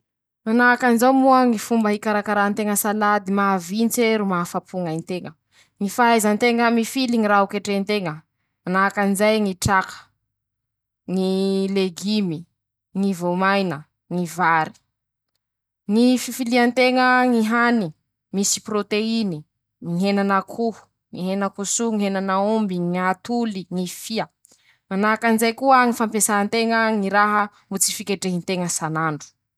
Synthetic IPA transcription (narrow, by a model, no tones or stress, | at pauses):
manakanizawmuəŋifumbəɦikaɾakaɾant̪eŋəsalad̪imavint͡seɾumafapʰuŋajnt̪eŋə | ŋifaajzant̪eŋəmifiliŋiɾaukeʈ͡ʂent̪eŋə | manakanizajŋiʈ͡ʂakʰə̥ | ŋileɡimi | ŋivomajnə | ŋivaɾi̥ | ŋififiliant̪eŋəŋiɦani | misi̥prot̪eini | ŋiɦenanakʰu | ŋiɦenakusuŋiɦenanaumbiŋiat̪uliŋifiə | manakanzejkuəŋifampesaant̪eŋəŋiɾaɦə | mut͡si̥fikʲeʈ͡ʂeɦint̪eŋəsanaɳɖ͡ʐu̥